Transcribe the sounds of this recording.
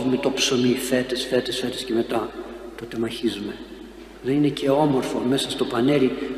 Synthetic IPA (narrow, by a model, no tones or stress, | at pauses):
vume̞t̪o̞pso̞mife̞t̪esfe̞t̪esfe̞t̪esce̞me̞t̪ɐ | t̪ot̪e̞mɐçizume̞ | ðe̞nine̞ce̞o̞mo̞ɾfo̞me̞sɐst̪o̞pɐne̞ɾi